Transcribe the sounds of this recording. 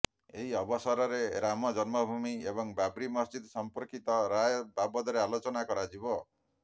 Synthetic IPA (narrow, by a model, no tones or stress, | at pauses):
eɦiɔbɔsɔɾɔɾeɾamɔd͡ʒɔnmɔbʱumiebɔŋbabɾimɔsd͡ʒid̪ɔsɔmpɔɾkit̪ɔɾajɔbabɔd̪ɔɾealot͡ʃɔnakɔɾad͡ʒibɔ